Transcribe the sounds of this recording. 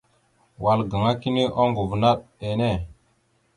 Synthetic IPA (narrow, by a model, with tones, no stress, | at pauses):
wa˨lɡa˨ŋa˦ki˦ni˦ʔo˦ŋɡu˨vna˦ɗe˨ne˦˨